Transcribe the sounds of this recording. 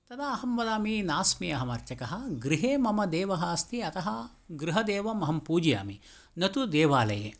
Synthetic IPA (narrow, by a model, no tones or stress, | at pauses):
t̪ɐd̪aːɐɦɐmʋɐlaːminaːsmiɐɦɐmɐɾt͡ʃɐkɐɦɐ̆ɡɾiɦeːmɐmɐd̪eːʋɐɦɐɐst̪ʰiɐt̪ɐɦɐ | ɡɾuɦɐd̪eːʋɐmɐɦɐmpuːd͡ʒja̰ːmi | nɐt̪ud̪eːʋaːlɐjḛː